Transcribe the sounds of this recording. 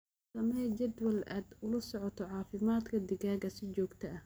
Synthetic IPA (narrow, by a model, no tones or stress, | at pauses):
sɐmɛt͡ʃɐd̪wɐla̰ːd̪ʊlɐsɔʕɔt̪ʰɔʕɑːfɪmaːd̪kʰɐd̪ɪɣaːɣɐsɪt͡ʃɔːɡt̪ʰɐʔɐ